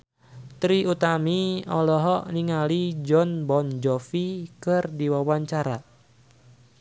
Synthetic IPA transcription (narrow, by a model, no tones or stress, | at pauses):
t̪ɾiut̪amiɔlɔɦɔʔniŋalid͡ʒɔnbɔnd͡ʒɔfikɨrdiwawaɲt͡ʃaɾa